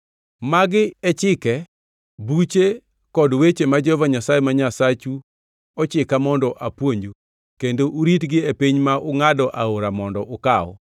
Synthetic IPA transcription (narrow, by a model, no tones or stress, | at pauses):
maɡɪɛt͡ʃɪkɛ | but͡ʃe | kɔdwet͡ʃemad͡ʒɔɔvaɲasajemaɲasat͡ʃu | ɔt͡ʃɪkamɔndɔʔapwoɲd͡ʒu | kendoʔuɾitɡɪepiɲmaʔʊŋadɔʔaoɾamɔndɔʔʊkaɔ̰